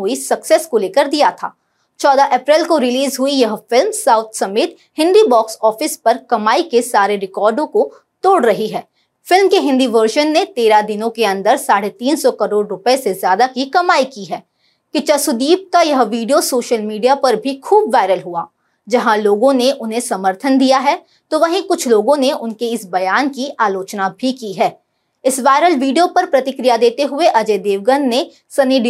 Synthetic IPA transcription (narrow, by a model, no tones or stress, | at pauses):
uisɐksɛskoleːkəɾd̪ijat̪ʰa̰ː | t͡ʃɔːd̪aʔɛːpɾɛlkoɾɪliːzɦuijɐɦfɪlmsaːʊt̪ʰsɐmeːt̪ | hɪ̃nd̪ibɔːksɔːfɪspɐɾkɐmaːikesaːɾeɾɪkɔːɾɖõko | t̪oːɽɾɐɦiɦɛː | fɪlmkeɦɪ̃nd̪iʋəɾʃənːet̪eːɾad̪ɪnõkeɐ̃nd̪əɾsaːɽet̪iːnsɔkɐɾoːɽɾʊpəesezjaːd̪akikɐmaːikiɦɛː | kɪt͡ʃɐsʊd̪iːb̚kajɐɦʋiːɖijosoːʃəlmiːɖijapɐɾbʱikʰuːbʋaːɪɾəlɦua̰ː | d͡ʒɐɦãloːɡõneʔʊnɦẽsɐməɾt̪ʰənd̪ijaɦɛː | t̪oʋɐɦĩkʊt͡ʃʰloːɡõneʊnkeɪsbɐjaːnkiʔaːloːt͡ʃnabʱikiɦɛː | ɪsʋaːɪɾəlʋiːɖijopɐɾpɾɐt̪ɪkɾijad̪eːt̪eɦʊeʔɐd͡ʒeːd̪eːʋɡənːe | sɐniɖ